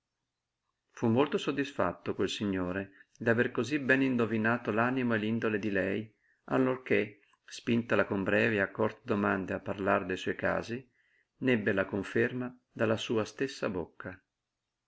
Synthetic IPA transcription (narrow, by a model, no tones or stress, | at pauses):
fumːolt̪osod̪ːisfa̰t̪ːokwelsiɲːoːɾed̪averkozibɛnind̪ovinaːt̪olaːnimoelind̪oled̪ilɛj | a̰lːork̟e | spint̪alakombɾɛːveakːɔrt̪ed̪omand̪eapːarlard̪ejsɔjka̰ːzi | nɛbːelakoɱferma | d̪alːasuːast̪esːa̰bokʰːa